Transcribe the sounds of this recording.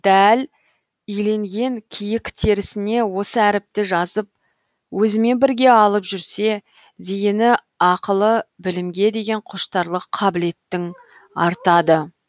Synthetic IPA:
d̪̥æl | ʏjle̞ŋɡʲe̞ŋkʲʰijɪkt̪ʰe̞ɾɪsɪne̞wo̞səæɾɪp̚t̪ɪʒɑzəp̚ | wɵzɪme̞nbɪɾɡʲe̞ɑlˠəpʒʏɾse̞ | d̪ejɪnɪ | ɑqəlˠəbɪlɪmɡʲe̞d̪e̞ɡʲe̞ɴqʰʊʃt̪ɑɾlˠəqʰːɑbɪle̞t̪ːɪŋ | ɑɾt̪ɑd̪ə

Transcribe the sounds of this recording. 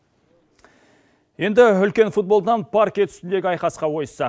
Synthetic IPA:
je̞nd̪ɪʏlkʲe̞nfut̪̚bo̞lˠənɑnpʰaɾkʲit̪ʰʏ̥st̪ɪnd̪e̞ɡʲɪɑjqɑsqɑwo̞jsɑ

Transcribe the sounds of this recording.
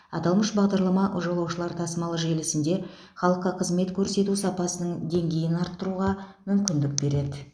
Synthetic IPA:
ɑ̰t̪ɑlˠməʃbɑʁd̪ɑɾlˠɑmɑʔʊʒɑlˠɑwʃəlˠɑɾt̪ʰɑsəmɑlˠəʒe̞lɪsɪnd̪e̞ | χɑlˠəqːɑqʰəzme̞t̪kʲʰɵɾse̞t̪usɑpɑsənəɴd̪e̞ŋɡʲe̞jɪnɑɾt̪ːəɾuʁɑmʏmkʲɪnd̪ɪk̚be̞ɾe̞d̪ɪ

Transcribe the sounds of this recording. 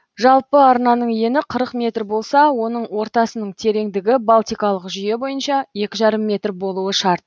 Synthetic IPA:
ʒɑlˠpəɑɾnɑnəɴje̞nɪqʰəɾəqmʲe̞t̪rbo̞lˠsɑwo̞nəɴwo̞ɾt̪ɑsənəɴt̪ʰe̞ɾe̞ŋd̪ɪɡʲɪbɑlˠt̪ijkɑlˠəqʒʏje̞bo̞jənʃɑje̞kʲɪʒɑɾəmːe̞t̪rbo̞lˠuəʃɑɾt̪̚

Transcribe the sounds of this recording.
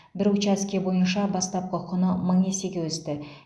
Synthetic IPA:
bɪɾʊt͡ʃæskʲe̞bo̞jənʃɑbɑst̪ɑp̚qʰəqʰənəməɴe̞se̞ɡʲe̞wɵst̪ɪ

